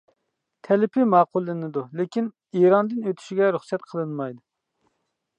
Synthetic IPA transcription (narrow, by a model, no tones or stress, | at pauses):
t̪ʰɛlɪpʰɪmɑːqʊlˠːɨnɨd̪ulɪkʲin | iɾɑnd̪ɨnøt̪ʰy̥ʃiɡʲɛɾuχsɛt̪̚qʰəlˠɨnmɑjd̪u